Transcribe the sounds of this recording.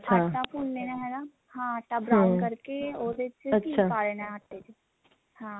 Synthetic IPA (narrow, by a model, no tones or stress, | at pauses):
tːʃʰaːʈːʈːaːpʰoːnneːnãɦɛːɡaː | hãːʈːaːbɾkəɾkeoːd̪et͡ʃətːʃʰaːpaːɾeːnãəʈːeːd͡ʒe | hãː